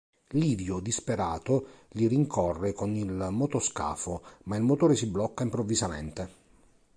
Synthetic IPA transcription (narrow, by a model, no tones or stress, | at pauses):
liːvjod̪ispeɾaːt̪oliɾiŋkʰɔrːekonilmot̪oska̰ːfomailmot̪oːɾesiblɔkːaimpɾovːizamḛnt̪e